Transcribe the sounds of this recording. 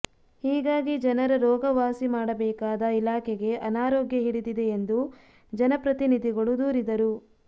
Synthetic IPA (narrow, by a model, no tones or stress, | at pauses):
hiːɡaːɡid͡ʒɐnɐɾɐɾɔːɡɐʋaːsimaːɽɐbɛːkaːd̪ɐilaːkʰɛɡe̞ʔɐnaːɾoːɡjɐɦiɽid̪id̪e̞ːnd̪u | d͡ʒɐnɐpɾɐt̪inid̪ʱiɡɐɭud̪uːɾid̪ɐɾu